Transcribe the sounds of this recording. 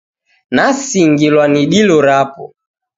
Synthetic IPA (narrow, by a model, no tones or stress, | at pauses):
nasiŋɡilwaniɗilɔɾapɔ̰